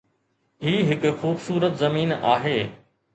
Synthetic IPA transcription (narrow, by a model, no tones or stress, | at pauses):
ɦiːɦɪkʊ̆xuːbsuːɾət̪zɐmiːna̰ːɦeː